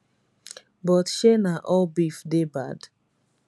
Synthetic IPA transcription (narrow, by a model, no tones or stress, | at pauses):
bɔtʃenaʔɔlbifdebad̥